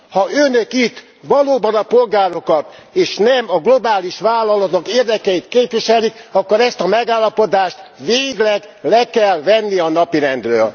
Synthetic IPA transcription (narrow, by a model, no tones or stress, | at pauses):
hɒʔønøkit̪ː | ʋɒloːbɒnɒpo̞lɡaːɾo̞kɒt̪eːʃnɛmɒɡlo̞baːliʃʋaːlːɒlɒt̪okeːrd̪ɛkɛit̪keːpʋiʃɛlikɒkːoɾɛst̪ɒmɛɡaːlːɒpo̞d̪aːʃt̪ʋeːɡlɛɡ | lɛkɛlʋɛnːiɒnɒpiɾɛnd̪røːl